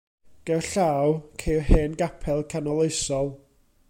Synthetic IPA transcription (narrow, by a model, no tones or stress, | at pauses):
ɡ̥ɛwɬaːwkʰejɦeːnɡapʰɛlˠkʰanɔlˠeɨsɔlˠ